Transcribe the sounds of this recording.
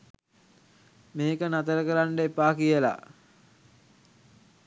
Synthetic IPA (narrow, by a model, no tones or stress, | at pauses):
meːkənat̪əɾəkəɾaɳɖəepaːkijəla̰